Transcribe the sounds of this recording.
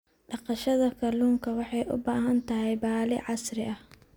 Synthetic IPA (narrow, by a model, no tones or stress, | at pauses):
ɖɑqɑʃɐðɐkʰɐluːŋkʰɐwɑħɑjʔʊ̰baːɦɐnt̪ʰɐɦɛjbaːlɪ̰ʕɑsrɪʔɐh